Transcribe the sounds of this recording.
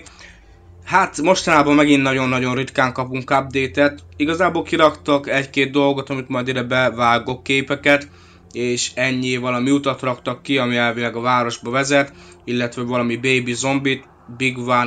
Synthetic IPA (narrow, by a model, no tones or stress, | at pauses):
hat̪mo̞ʃt̪ɒnaːbɒmmːɛɡinːɒɟo̞nːɒɟo̞nrit̪kaːŋkɒpuŋkːab̚d̪eːt̪ɛt̪iɡɒzaːboːlkiɾɒkt̪ɒkɛckeːd̪̚d̪o̞lɡo̞t̪ɒmit̪mɒjd̪id̪ɛbɛvaːɡo̞kːeːpɛkɛt̪ | eːʃɛɲːiːvɒlɒmiut̪ɒt̪rɒkt̪ɒkːiɒmiɛlvilɛɡɒvaːɾo̞ʒbɒvɛzɛt̪ | ilːɛt̪ʋɛvɒlɒmibeːbizo̞mbit̪ | biɡvaːn